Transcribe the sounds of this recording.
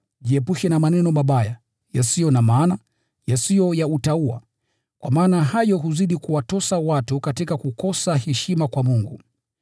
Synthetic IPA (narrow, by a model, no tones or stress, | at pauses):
ʄiɛpuʃɛnamanɛnɔmaɓaja | jasijɔnamaːna | jasijɔjautaua̰ | kwa̰maːnaɦajɔɦuziɗikuwatɔsawatukatikakukɔsahɛʃimakwamuŋɡṵ